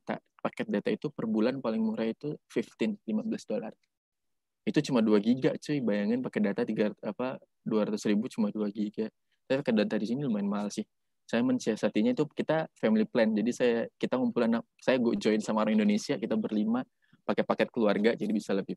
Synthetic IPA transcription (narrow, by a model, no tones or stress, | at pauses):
t̪a̰pakɛt̪̚dat̪ait̪upərbulanpalɪŋmuɾait̪ufɪft̪ɪnlimabəlasdola̰r | it̪ut͡ʃumaduaɡiɡaʔt͡ʃujbajaŋanpakɛdat̪at̪iɡaapa | duaɾat̪ʊsɾibut͡ʃumaduaɡiɡa | t̪apipakɛt̪̚dat̪adisinilumaɪnmaɦalsɪh | sajamənsiasat̪iɲait̪ukit̪afɛmiliplɛnd͡ʒadisajakit̪aŋumpulana | sajaɡɔʔd͡ʒɔɪnsamaaɾaŋindonesiakit̪abərlima | pakɛpakɛt̪̚kəluarɡad͡ʒadibisaləbɪh